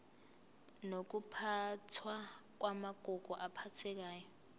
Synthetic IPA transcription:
nok̬upʰatʰwak̬wamaɡ̥ʱɔɡ̥ʱɔʔapʰatʰɛk̬aːjɔ

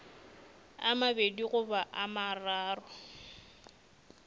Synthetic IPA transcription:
amabediɣʊbaʔamaraːrʊ

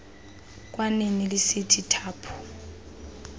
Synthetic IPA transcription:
k̬ʼwanenilɪsitʰitʰaːpʰu̥

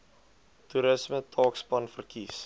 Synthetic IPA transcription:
tuɾəsmətʰɑːkspɐnfərkis

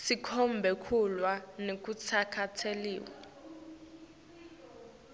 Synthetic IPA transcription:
sikʰɔmbʱɛkʰulwanek̬ʼut͡sʰakʰatʰelḭːwa

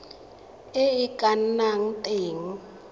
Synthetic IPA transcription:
eikʼan̩naŋ̩tʼeːŋ̩

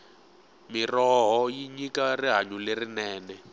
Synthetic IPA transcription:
mirɔɦɔjiɲikariɦaɲulerinɛːnɛ

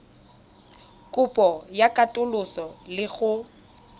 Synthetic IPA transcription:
kʼʊpʼɔjakʼatʼʊlʊsɔlɪɣʊ

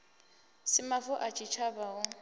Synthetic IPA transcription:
sɪmafʊʔat͡ʃʼit͡ʃʰabaʊ

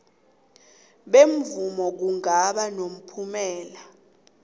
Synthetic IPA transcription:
ɓemvumɔk̬uŋaɓanom̩pʰumɛːla

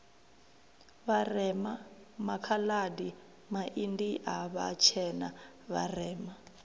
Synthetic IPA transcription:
βarɛma | makʰaladi | maʔindiʔaβa̰t͡ʃʰɛna | βa̰rɛːma

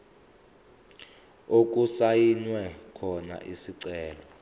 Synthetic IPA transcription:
ok̬ʼusajinwɛkʰɔna̰ʔisiǀɛːlɔ

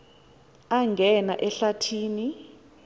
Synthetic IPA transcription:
aŋɡʱɛna̰ʔɛɬatʰiːni

